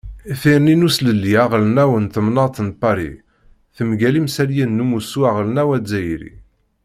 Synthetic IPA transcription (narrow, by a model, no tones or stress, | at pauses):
θiɾninusləlːiæʁlnæwənt̪əmnɑt̪ənpːɑɾḭ | θəmɡælimsæljinːumusuæʁlnæwæd͡zæjɾḭ